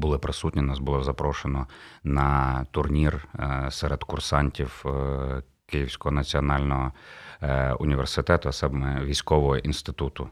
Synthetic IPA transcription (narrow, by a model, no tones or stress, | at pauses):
bʊlˠɪpɾɪsutʲnʲinɑsbʊlˠɔzɐpɾɔʃenɔnɐt̪ʊrnʲirsɛɾed̪kʊrsɑnʲtʲiw | kɪjiwsʲkɔɦɔnɐt͡sʲiɔnɑlʲnɔɦɔ | ʊnʲiʋersɪt̪ɛt̪ʊɐsɛbmɛʋʲijsʲkɔʋɔɦɔʔinst̪ɪt̪ut̪ʊ